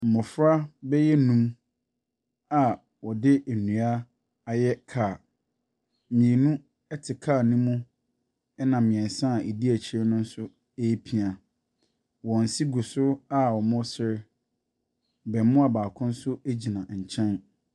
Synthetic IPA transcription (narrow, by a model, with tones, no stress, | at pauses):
m̩˨mʊ̃˨fɾa˦bɛ˦jɛ˦nũ˦m | a˨ | wɔ˨dɪ˦ʔæ˨nũ˨a˦ | a˨jɛ˦kʰa˨ | mĩ˨e˨nũ˦ | ɛ˦tʰɪ˨kʰaː˦˨nĩ˦mũ˦ | ɛ˦nã˨mɪ̃˨ɛ̃˨n˨sã˦˨ʔe˨di˦æ˨t͡ɕʰɪ˨˦ɛ˦nʊ̃˦n̩˦sʊ˦ | e˦pʰi˨a˨ | wɔ̃˨n̩˨si˦ɡu˨sʊ˦a˨wɔ˨mʊ̃˦sɪ˦ɾɪ˦ | bɛ˨m˦mʊ̃˦a˨baː˨kʰʊ̃˦n̩˦sʊ˦e˦d͡ʑi˨nã˨ɲ̩˨t͡ɕʰɛ̃˦n